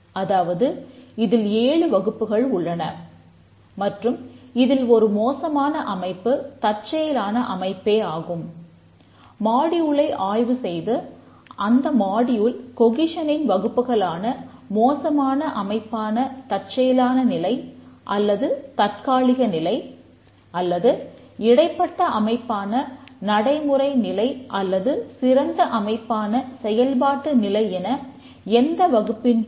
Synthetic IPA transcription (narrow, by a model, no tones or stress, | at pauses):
ɐðaːʋɐðɯɪðɪleːɻɯʋɐɣɯpːɯɣɐɭʊɭːɐnɐ | mɐʈrɯmɪðɪlɔɾɯmoːsɐmaːnɐʔɐmɐɪpːɯt̪ɐr̚t͡ʃːɐjɐlaːnɐʔɐmɐɪpːeːaːɣɯm | maːɽɪjɯɭɐɪʔaːjʋɯsɛjðɯ | ʔɐnd̪ɐmaːɽɪjɯlkɔɣɪʂɐnɪnʋɐɣɯpːɯɣɐɭaːnɐ | moːsɐmaːnɐʔɐmɐɪpːaːnɐt̪ɐʈ̚t͡ʃɐjɐlaːnɐnɪlɐɪʔɐlːɐðɯt̪ɐrkaːɭɪɣɐnɪlɐɪ | ɐlːɐðɯ | ɪɽɐɪpːɐʈːɐʔɐmɐɪpːaːnɐnɐɽɐɪmɯrɐɪnɪlɐɪʔɐlːɐðɯsɪɾɐnd̪ɐʔɐmɐɪpːaːnɐsɛjɐlbaːʈːɯnɪlɐɪɛnɐ | ɛnd̪ɐʋɐɣɯpːɪn